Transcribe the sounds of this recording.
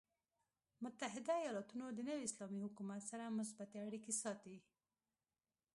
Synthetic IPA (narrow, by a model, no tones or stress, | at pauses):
mʊt̪aɦɪd̪aijɑlɑt̪unod̪ənəwiɪslɑmihʊkumat̪saɾamʊs̬bat̪eaɽikesɑt̪i